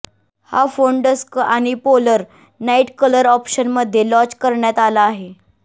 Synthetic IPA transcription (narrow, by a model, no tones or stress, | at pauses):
ha̰foɳɖəskaɽ̃ipoləɾ | naiʈkələɾɔpɕənməd̪ʱːjelɔ̃t͡ɕkəɾɳjat̪alaːɦe